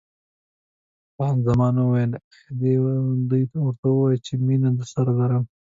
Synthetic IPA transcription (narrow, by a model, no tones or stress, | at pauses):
pɑnzamɑnawajəlxd̪ed̪ujt̪wəɾt̪awəwɑjlt͡ʃeminad̪əsaɾalaɾəm